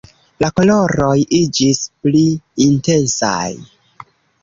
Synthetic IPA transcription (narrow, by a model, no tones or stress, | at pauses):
lakolo̞ɾo̞jid͡ʒispliinte̞nsa̰j